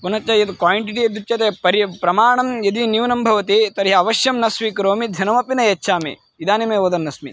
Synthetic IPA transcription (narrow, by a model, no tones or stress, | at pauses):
punɐt͡ʃːɐjɐt̪kwaːjiɳʈiʈiɐd̪ut͡ʃt͡ʃɐt̪eːpɐɾipɾɐmaːɳɐmjɐd̪injuːnɐmbʱɐʋɐt̪it̪ɐɾjɐːʋɐʃjɐmnɐsʋikɾoːmid̪ʱɐnɐmɐpinɐjɐt͡ʃːt͡ʃʰaːmḭ | id̪aːnimeːʋoːd̪ɐnːɐsmḭ